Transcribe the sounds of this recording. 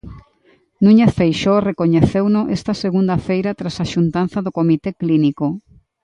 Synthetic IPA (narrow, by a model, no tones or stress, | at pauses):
nũɲefejʃorekoɲeθewnʊʔest̪ɐseɣund̪ɐfejɾɐt̪ɾasaʃunt̪an̟θɐðokomit̪ekliniko